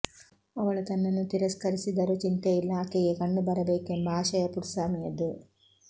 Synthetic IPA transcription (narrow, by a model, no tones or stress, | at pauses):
ɐʋɐɭɐt̪ɐnːɐnːut̪iɾɐskɐɾisid̪ɐɾut͡ʃint̪ɐilːaːkejekɐɳɖubɐɾɐbeːkːumbʱaːʂɐjɐpuɾsaːmijɐd̪ɨ